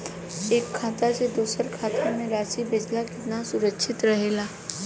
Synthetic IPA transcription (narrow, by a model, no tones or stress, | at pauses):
eːkʰːaːt̪ad͡ʒed̪uːsəɾkʰaːt̪omẽɾaːsibeːd͡ʒlakɪt̪nasʊɾəkːʃʰɪt̪ɾɐɦeːlaː